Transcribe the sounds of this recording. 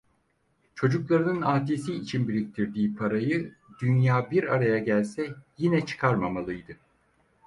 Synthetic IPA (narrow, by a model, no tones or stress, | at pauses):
t͡ʃʰo̞d͡ʒuklˠaɾɯnɯnaːt̪esiːt͡ʃʰinbiɾik̚t̪ʰiɾd̪iːpʰaɾajɯd̪ynjaːbiɾa̰ɾajaɟælʲsɛjinɛt͡ʃʰɯ̥kʰaɾmamalˠɯjd̪ɯ